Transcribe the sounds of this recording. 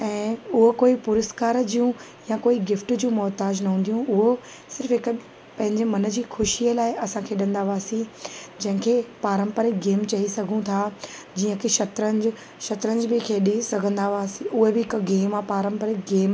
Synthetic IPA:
ɛ̃ːʊɦokoːipʊɾəskaːɾd͡ʑijũ | jãkoːiɡɪfʈd͡ʑũːmɔːt̪aːd͡ʑnɐɦũːn̆d̪ijũʔʊɦo | sɪɾfɦɪk | pɐ̃ɦɪ̃ɲd͡ʑemɐnə̆d͡ʑiːxʊʃiəlaːɪɐsãkʰeːɗɐ̃nd̪aːʋaːsĩd͡ʑɐ̃ɦɪ̃kʰeːpaːɾə̃mpəɾeɡeːmt͡ɕɐisɐɡʱũt̪ʰaːd͡ʑiːə̃kʰeʃɐt̪ɾənd͡ʑ | ʃɐt̪ɾə̃nd͡ʑbɪkʰeːɗisɐɡʱə̃nd̪aʋaːsiʔʊɦebɪɪkɡeːmapaːɾə̃mpəɾeɡeːm

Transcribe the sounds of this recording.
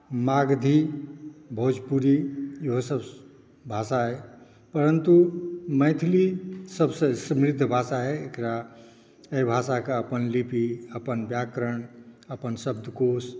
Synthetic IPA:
maɡd̪ʱi | bʱəɦud͡ʒpuɾijiɦosəb | bʱasaɦɛ | pəɾənt̪uməɪt̪ʰilisəbsə̃səmɾid̪ʱːbʱasaɦɛekɾa | ejbʱasakeəpənlipiəpənbjakɾəɳəpənsəb̚d̪ʱkos

